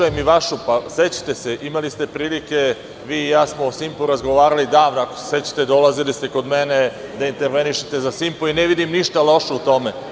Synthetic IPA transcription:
aemiʋaʃupaset͡ɕḁt̪e̞se̞ʔimalist̪e̞pɾiːlike̞ | ʋiːjaːsmoosimpuɾazɡo̞ʋaːɾalid̪aːʋnoako̥set͡ɕḁt̪e̞d̪o̞lazilist̪eko̞d̪mened̪aint̪e̞ɾʋeniʃet̪e̞zasimpoineʋid̪imniʃt̪alo̞ʃeut̪o̞me

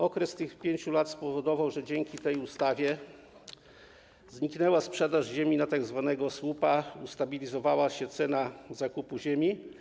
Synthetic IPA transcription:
ɔkɾɛst̪ɘxpʲjeɲt͡ɕulat̪spɔvɔd̪ɔvawʐɛd͡ʑɛŋkʲit̪ɛjust̪avʲjɛ | zɲiknɛwaspʂɛd̪aʐʑemʲinat̪aɡzvanɛɡɔswupaust̪abʲilʲizɔvawaɕɛt̪sɛnazakupuʑemʲi

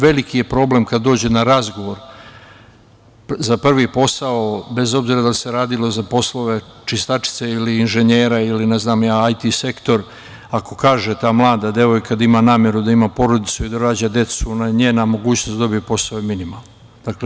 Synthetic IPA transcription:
ʋe̞likije̞pɾo̞ːble̞mkad̪d̪oːd͡ʑe̞naɾazɡo̞ʋo̞ɾ | zapr̩ʋipo̞saobe̞zo̞bziːɾad̪alise̞ɾaːd̪ilˠo̞zapo̞slˠo̞ʋe̞t͡ʃist̪at͡ʃi̥t̪seiliːnʒe̞ɲeːɾailineznaːmjaːajt̪ise̞kt̪o̞ɾ | ako̞kaːʒet̪aːmlˠaːd̪ad̪e̞ʋo̞jkad̪imanaːmje̞ɾud̪aimapo̞ɾo̞d̪it̪suid̪aɾaːd͡ʑad̪e̞t̪sunaɲeːnamo̞ɡuːt͡ɕnosd̪o̞bijpo̞saoeminimalˠno | d̪akle

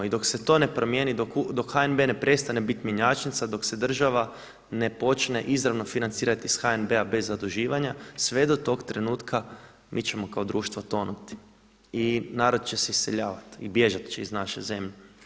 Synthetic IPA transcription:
id̪o̞kset̪o̞ne̞pɾo̞mje̞ːnid̪okud̪o̞kxaenbe̞ne̞pɾe̞st̪anebit̪mʲjeɲat͡ʃnit̪sad̪o̞kse̞d̪r̩ʒaʋa | ne̞po̞t͡ʃne̞̰ʔizɾaʋno̞finant̪siːɾat̪isxaenbeabe̞zːad̪uʒiːʋaɲasʋe̞d̪o̞t̪o̞ɡt̪ɾe̞nuːt̪kʰa | mʔit͡ʃemo̞kaod̪ɾuːʃt̪ʋot̪o̞nut̪i̥ | inaːɾod̪t͡ʃeseisːeʎaːʋat̪ibje̞ʒat̪t͡ʃeiznaʃḛze̞mʎe

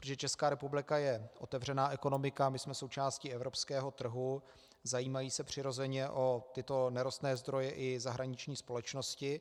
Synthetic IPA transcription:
pɾt̪oʒɛt͡ʃɛskaːɾɛpublɪkajɛʔo̞t̪ɛvr̝ɛnaːʔɛko̞no̞mɪkamɪsmɛso̞wt͡ʃaːsciɛvɾo̞pskɛːɦo̞t̪r̩ɦu | zajiːmajiːsɛpr̝̥ɪɾo̞zɛɲɛʔo̞t̪ɪt̪o̞nɛɾost̪nɛːzd̪ɾo̞jɛʔɪzaɦɾaɲɪt͡ʃɲiːspo̞lɛt͡ʃno̞scɪ

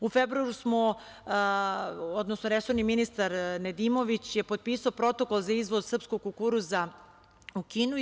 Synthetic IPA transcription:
ufebɾuaɾusmo | o̞d̪nosnoɾesoɾniminist̪aɾned̪imo̞ʋit͡ɕjepot̪̚piːsaopɾo̞t̪o̞ko̞lˠzaizʋo̞d̪sr̩pskoɡ̚kokuɾuza | ukiːnu

